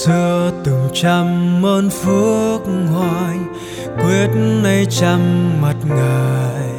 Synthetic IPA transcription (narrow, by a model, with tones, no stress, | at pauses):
sɨ˧ət̪ɨ˨˩ŋ͡mt͡ɕa˧mːəː˧nfɨ˦ək̚ŋwa˧˨j | kwi˦˥ət̚nnə˧jt͡ɕa˧mma˨˩t̚ŋəː˨˩j